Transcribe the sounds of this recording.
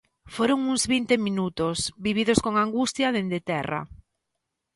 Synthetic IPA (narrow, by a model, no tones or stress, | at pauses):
foɾoŋuŋzβint̪eminut̪osβiβ̞iðoskoŋaŋɡust̪jaðend̪et̪ɛra̰